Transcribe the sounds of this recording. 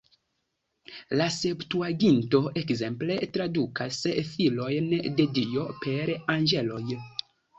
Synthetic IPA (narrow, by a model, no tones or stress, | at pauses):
lase̞ptuaɡinto̞ʔe̞kze̞mple̞tɾadukʰasfilo̞jnde̞dijo̞pe̞ɾanɡe̞lo̞j